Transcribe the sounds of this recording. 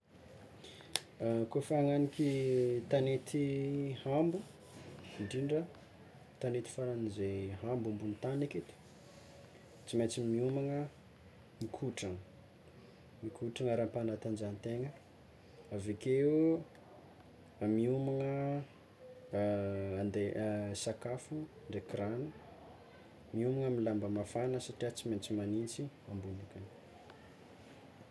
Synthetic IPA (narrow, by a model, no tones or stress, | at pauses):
kofaŋanikit̪anet̪ihambu | iɳɖ͡ʐiɳɖ͡ʐə | t̪anet̪i̥faɾanizeɦambumbunit̪aneket̪u̥ | t͡simet͡simiumaŋə | mikʰuʈ͡ʂaŋə | mikuʈ͡ʂaŋəɾampanat̪and͡ʒanit̪eŋə | avekeu | miumaŋə | and̪eʔsakafu | ɳɖ͡ʐekranu | miumaŋəmilambəmafanəsaʈ͡ʂiat͡siment͡simanint͡siambunikani̥